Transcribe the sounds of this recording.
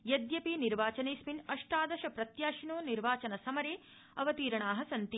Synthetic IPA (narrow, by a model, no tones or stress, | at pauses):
jɐd̪jɐpiniɾʋaːt͡ʃɐneːsminɐʂʈaːd̪ɐʃɐpɾɐt̪jaːʃinoːniɾʋaːt͡ʃɐnɐsɐmɐɾeː | ɐʋɐt̪iːɾɐɳaːɦɐsɐnt̪i